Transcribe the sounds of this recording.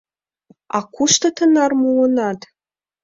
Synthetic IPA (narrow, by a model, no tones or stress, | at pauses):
ɑ̰kuʃt̪ɤ̆t̪ə̆nɑrmuɤ̆nɑt̪